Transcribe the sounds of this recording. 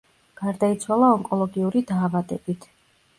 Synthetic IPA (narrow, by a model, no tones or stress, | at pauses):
ɡ̥aɾd̪ait̪sʰwalˠaɔŋkʼɔlˠɔɡiuɾid̪aːvad̪ɛb̥it̪ʰ